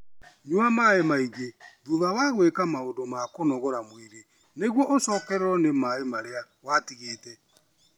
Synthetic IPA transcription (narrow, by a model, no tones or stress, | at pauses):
ɲuamaemaiɣeðuðawaɣwekamaondomakonɔɣɔɾamwiɾe | neɣwɔʔosɔkɛɾeɾɔnemaemaɾea | watiɣeːtɛ